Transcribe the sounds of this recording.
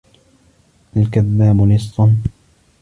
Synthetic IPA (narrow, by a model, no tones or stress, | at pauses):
ʔalkaðːaːmʊnɨsˤːʊn